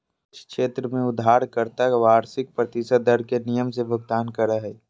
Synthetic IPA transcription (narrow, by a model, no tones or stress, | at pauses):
t͡ʃʰkʃeːt̪ɾəmẽʊd̪ʱːaːɾkəɾt̪akʋaːɾsɪk̚pɾət̪ɪsəd̪d̪əɾkenijəmsebʱəɡ̚t̪aːnkəɾəɦɛ